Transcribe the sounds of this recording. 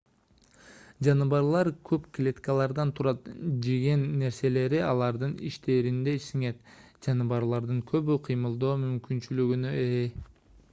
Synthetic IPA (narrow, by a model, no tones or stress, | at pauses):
d͡ʒɑnɯβɑɾlˠɑɾkʰøpklʲet̪kɑlˠɑɾd̪ɑnt̪ʰuɾɑt̪d͡ʒeɡe̞nːe̞ɾse̞le̞ɾiɑlˠɑɾd̪ɯnḭʃt̪ʰe̞ːɾind̪e̞siŋe̞t̪ | d͡ʒɑnɯβɑɾlˠɑɾd̪ɯŋkʰø̞βyqʰɯjmɯlˠd̪o̞ːmymkynt͡ʃylyɡynøee